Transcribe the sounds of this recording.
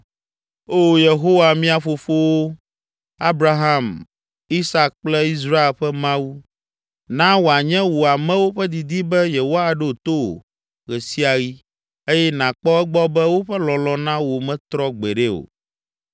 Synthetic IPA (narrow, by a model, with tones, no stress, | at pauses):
o˦je˨ɦo˦wa˨mĩ˦a˨fo˨fo˦wo˦ | a˦bɾa˦ɦã˦˨m | i˦sa˦k̚k͡plɛ˦i˦z̬ɾa˦e˦˨lɸɛ˦mã˦wu˦ | nã˦wo˨a˨ɲɛ̃˦wo˨a˨mɛ̃˦wo˦ɸɛ˦d̪i˨d̪i˦bɛ˦je˨ɦo˦a˨ɖe˦o˨t̪o˦o̰˨ | ɣɛ˨si˦a˨ɣi˦ | e˦jɛ˦nã˨k͡pɔ˦ɛ˦ɡ͡bɔ˦bɛ˦wo˦ɸɛ˦lɔ̃˨lɔ̃˨nã˦wo˨mɛ̃˦t̪ɾɔ˦ɡ͡bɛ˨ɖɛ˦o̰˨